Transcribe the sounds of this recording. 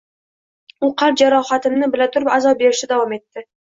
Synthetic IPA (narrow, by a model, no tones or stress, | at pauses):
ʊqʰɑɾ̚d͡ʒaɾɒχat̪ɪmnɪbɪlat̪ʰʊɾɪpazɒp̚be̞ɾɪʃɪd̪avɒme̞t̪ːɪ